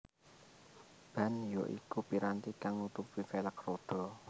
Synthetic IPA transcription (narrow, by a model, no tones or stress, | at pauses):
b̥ä̤njɔʔḭkupiɾant̪ikaŋut̪upwifeləkrod̪̥ɔ̤